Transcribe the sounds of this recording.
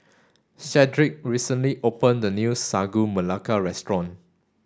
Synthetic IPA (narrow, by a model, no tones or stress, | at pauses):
ʃɛdɹik̚ɹisə̃nliʔopə̃ndənjusaɡuməlakaɹɛstɹɔ̃n